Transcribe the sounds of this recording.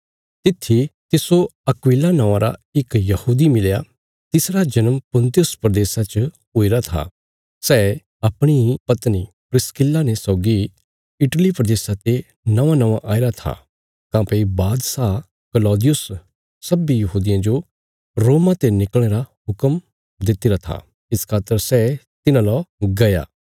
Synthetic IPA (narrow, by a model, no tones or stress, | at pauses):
t̪ɪt̪ʰːit̪ɪsoɐkʊwiːlanãʋãɾa̰ɪkjɐhuːd̪imɪlja | t̪ɪsɾad͡ʒɐnəmpʊ̃nt̪ijʊspɾəd̪eːsat͡ʃ | ɦʊiɾat̪ʰa̰ | sɛː | ɐpɽ̃ipɐt̪ni | pɾɪskɪlːanesɔːɡi | ɪʈlipɾəd̪eːsat̪e | nɐʋãnɐʋaʔaːɪɾat̪ʰa̰ | kãːpeibaːd̪sa | kəlɔːd̪ɪjʊs | sɐbijɐɦuːd̪ɪjãd͡ʒo | ɾoːmãt̪enɪkl̃eːɾaɦʊkəm | d̪ɪt̪iɾat̪ʰa̰ | ɪskʰaːt̪əɾsɛ | t̪ɪnãloɡɐja̰ː